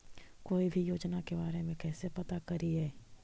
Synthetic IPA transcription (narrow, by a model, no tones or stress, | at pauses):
koːibʱijoːd͡ʒnakebaːɾemẽkɛːsepɐt̪akɐɾiɦɛː